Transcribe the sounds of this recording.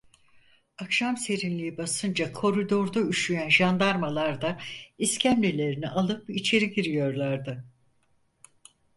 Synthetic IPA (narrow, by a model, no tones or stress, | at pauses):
akʃamse̞ɾinlʲiibasɯnd͡ʒakʰo̞ɾid̪o̞ɾd̪ayʃyjænʒand̪aɾmalˠaɾd̪aiscʰæmlʲilʲe̞ɾiniʔalˠɯpit͡ʃʰe̞ɾiɟiɾijo̞ɾlˠaɾd̪ɯ